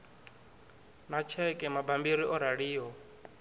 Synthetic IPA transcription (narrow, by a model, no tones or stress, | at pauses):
nat͡ʃʰɛkʼɛmabambiɾiʔɔɾaɺiːɦɔ